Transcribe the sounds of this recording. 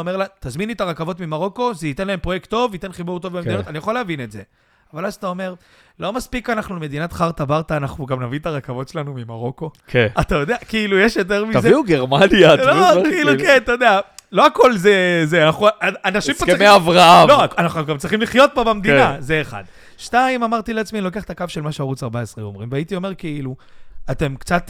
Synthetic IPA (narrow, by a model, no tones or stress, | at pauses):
ome̞ʁlat̪azminet̪aʁakavo̞t̪mimaʁo̞ko̞zeit̪enlae̞mpʁo̞je̞kt̪ːo̞vit̪e̞nχibuʁt̪̬o̞vbemed̪ino̞tanijaχoleavinetze̞ | avalazat̪ao̞me̞ʁ | lo̞maspikanaχnume̞d̪inat̪χaʁt̪abaʁt̪aːnaχnuɡamnavint̪aʁakavo̞tʃelanumimaʁo̞ko̞keat̪ajo̞d̪eakiilujeʃjo̞t̪̬e̞ʁmivzeiuɡeʁmanjalokiiːlukent̪ajod̪ealo̞ako̞lzezeanaχuaanaʃimpoʁimeavʁaamlo̞anaχuuɡamt͡sʁiχimliχjo̞t̚bobamd̪inazeːχa̰d̪ | ʃtaimamaʁt̪ileat͡smilokeaχt̪akavʃe̞lmaʃeaʁut͡saʁbaesʁeomʁimveait̪io̞me̞ʁkeiluat̪e̞mkt͡sat̪